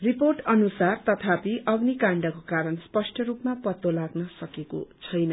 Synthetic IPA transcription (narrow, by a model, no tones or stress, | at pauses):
riporʈʌnusart̪ʌt̪ʰapiʔʌɡnikaɳɖʌkokaɾʌnspʌsʈʰʌɾupmapʌt̪ːolaɡnʌsʌkeko̰t͡sʰʌjnʌ